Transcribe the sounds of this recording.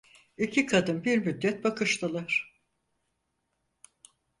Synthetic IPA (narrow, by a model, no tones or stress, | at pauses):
icʰikʰad̪ɯnbiɾmyd̪ːɛt̪̚bakɯʃt̪ʰɯlˠaɾ̥